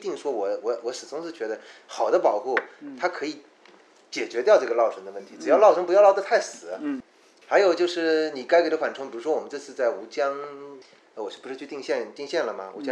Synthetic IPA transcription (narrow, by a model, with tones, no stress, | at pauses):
t̪i˥˩ŋʂwɔ˥wɔ˧˥wɔ˧˥wɔ˧˥ʂɻ̩˨˩t͡sʊ˥ŋʂɻ̩˥˩t͡ɕɥɛ˧˥d̪ə˧xɑ˨˩ʊd̪ə˦pɑ˨˩ʊxu˥˩ʊt̪ʰa˥kʰɤ˧˥i˧˥ | t͡ɕjɛ˨˩t͡ɕɥɛ˧˥t̪jɑ˥˧ʊʈ͡ʂɤ˥˩ɡə˩˧lɑ˥˧ʊʂʰɤ˥ŋd̪ə˧wə˥˩nt̪ʰi˧˥ʈ͡ʂɻ̩˨˩jɑ˥˧ʊlɑ˥˩ʊʂʰɤ˥ŋpu˧˥jlɑ˥˧˥t̪ʰa˥˩ɪsɹ̩˨˩ɐ˦ | xa˧˥ɪjo˨˩ʊt͡ɕjo˥˧ʊʂɻ̩˥˩ni˨˩ka˥ɪke˧˥ʈ͡ʂwa˨˩nʈ͡ʂʰʊ˥ŋpi˨˩ɻu˧˥ʂwɔ˥wɔ˨˩m˦nʈ͡ʂɤ˥˧t͡sʰɹ̩˥˧t͡sa˥˩ɪu˧˥t͡ɕjɑ˥ŋ | ə˧˩wɔ˨˩˥pu˧˥ʂɻ̩˥˧t͡ɕʰt̪i˥˧ŋɕjɛ˥˧nt̪i˥˧ŋɕjɛ˥˩nlə˩mɐ̰˩ṵ˧˥t͡ɕjɑ˥